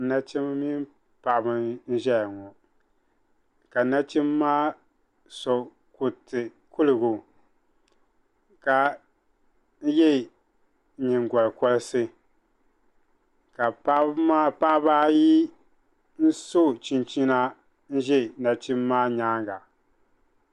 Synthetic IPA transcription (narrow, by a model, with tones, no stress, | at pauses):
na˦t͡ʃi˦m˦mi˦m | pa˨ʔbɨ˨n̩˦ʒɛ˦jŋɔ˨ | ka˨na˦t͡ʃi˦mːaː˦ | sɔ˨ | ku˨tɨ˨ | ku˦lɨ˨ɡu˨ | ka˨ | n̩˦jɛ˦˨ | ɲi˨ŋɡɔ˨lɨ˨kɔ˦lɨ˦sɨ˦ | ka˨pa˦ma˦pa˦ʔbaː˦ji˦ | n̩˦so˦˨t͡ʃi˨nt͡ʃi˦na˦ | n̩˦ʒɛ˦˨na˨t͡ʃi˦mːaː˦ɲaː˦ŋɡa˨